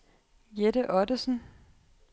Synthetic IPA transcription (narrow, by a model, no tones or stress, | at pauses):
jeɾəʔɒdəsn̩